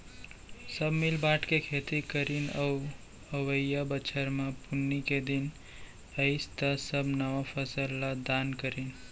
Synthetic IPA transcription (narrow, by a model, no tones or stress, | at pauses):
səbmilbaʈkekʰet̪ikəɾinəu | əwəjabət͡ʃʰəɾmãpunːiked̪in | əɪst̪əsəbʱnəʋapʰəsəlːad̪ankəɾin